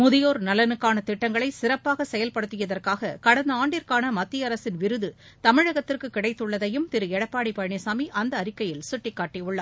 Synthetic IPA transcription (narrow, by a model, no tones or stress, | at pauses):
mʊðɪjoːɾnɐlɐnɯkːaːnɐt̪ɪʈːɐŋɡɐɭɐɪsɪɾɐpːaːɣɐsɛjɐlpɐɽɯt̪ːɯjɐðɐrkaːɣɐkɐɽɐnd̪ɐaːɳɖɪɾkaːnɐmɐt̪ːɪjɐɾɐsɪnʋɪɾɯðɯ | t̪ɐmɪɻɐɣɐt̪ːɪrkɯkːɪɽɐɪt̪ːɯɭːɐðɐjɯmt̪ɪɾɯɛɽɐpːaːɽipɐɻɳesaːmiʔɐnd̪ɐːɾɪkːɐjɪlsʊʈːɪkːaːʈːiʊɭːɐ